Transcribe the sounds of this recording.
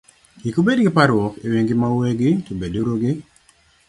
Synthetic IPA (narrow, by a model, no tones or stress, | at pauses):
ɡikobedɡɪpaɾwɔkewiŋɡɪmawɛɡɪtobedoɾoɡɪ